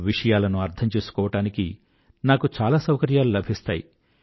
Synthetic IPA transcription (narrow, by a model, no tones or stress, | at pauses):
ʋiʂɐjaːlɐnuɐɾt̪ʰɐmt͡ʃe̞ːsu̥kɔːʋɐʈaːnikḭ | naːkut͡ʃaːlaːsɐwkɐɾjaːlulɐbʱist̪a̰ːjḭ